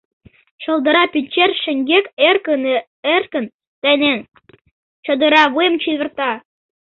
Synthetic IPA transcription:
t͡ɕɤ̆lˠd̪ə̆ɾɑpynʲt͡ɕerʃɘ̆ŋɡekerkən | erkə̆n | t̪ænʲen | t͡ɕɤ̆d̪ə̆ɾɑβujəmt͡ɕiβə̆rt̪ɑ

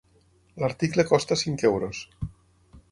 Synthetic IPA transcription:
laɾt̪iklekɔst̪asiŋkewɾos

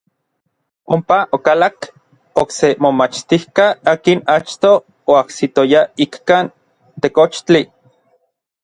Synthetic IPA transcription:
ompaʔokalak | oksemomat͡ʃt̪ihkaaːkinat͡ʃt̪oː | aksit̪ojaikːan | t̪ekot͡ʃt͡ɬi

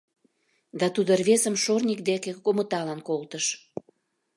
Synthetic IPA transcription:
d̪ɑt̪ud̪ərβesəmʃornʲik̚d̪ekekomət̪ɑlɑnkolt̪əʃ

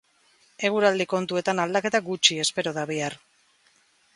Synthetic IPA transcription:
e̞ɣ̞uɾald̪iko̞nt̪ue̞t̪anald̪ake̞t̪aɡut͡ʃie̞spe̞ɾo̞ðaβiar

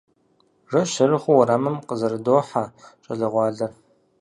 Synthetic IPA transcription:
ʐɐʃɐɾɨχʷʊwɐɾaːmɨmqəzɐɾɨdoːħat͡ʃʼɐɮɐʁʷɑːɮɐr

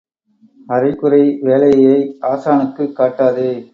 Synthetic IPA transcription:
ɐɾɐɪkɯɾɐɪʋeːlɐjɐjɐɪaːsaːɳɯkːɯkːaːʈːaːðɯː

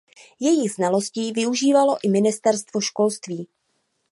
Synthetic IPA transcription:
jɛjɪɣznalo̞sciːvɪuʒiːvalo̞ʔɪmɪnɪst̪ɛɾst̪vo̞ʃko̞lst̪viː

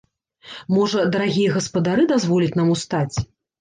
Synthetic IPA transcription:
mɔʐɐd̪ɐɾaɣʲijɐɣɐspɐd̪aɾɨd̪azvɔlʲit͡sʲnamust̪at͡sʲ

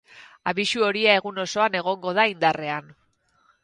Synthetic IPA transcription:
aβiʃuo̞ɾiae̞ɣuno̞so̞ane̞ɣ̞o̞ŋɡo̞ðaind̪are̞an

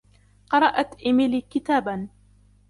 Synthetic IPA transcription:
qɑɾˤɑʔat̪ʔɪmɪlikɪt̪aːban

